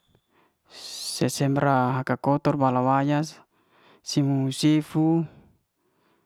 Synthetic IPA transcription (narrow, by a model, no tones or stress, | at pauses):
sɛsɛmbɾaɦakakɔt̪ɔrbalawajasː | imusifu